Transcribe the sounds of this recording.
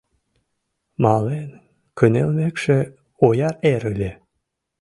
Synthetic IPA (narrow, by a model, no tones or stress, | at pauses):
mɑlen | kʰənelʲmekʃe | ojɑɾeɾɯlʲe